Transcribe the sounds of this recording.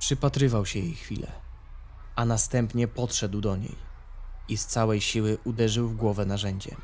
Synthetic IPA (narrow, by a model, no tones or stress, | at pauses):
pʂɘpat̪ɾɘvawɕɛjejxfʲḭlʔɛ̰ | anast̪ɛmpɲɛpɔt̪ʂɛd̪wd̪ɔɲḛj | ist̪sawɛjɕiwɘʔud̪ɛʐɘwvɡwɔvɛnaʐɛɲd͡ʑɛ̰